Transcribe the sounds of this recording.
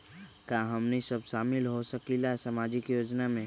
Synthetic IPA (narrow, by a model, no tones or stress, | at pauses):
kaɦɐmnisɐbʃaːmɪlɦosɐkilasamaːd͡ʒɪkjoːd͡ʒnamẽ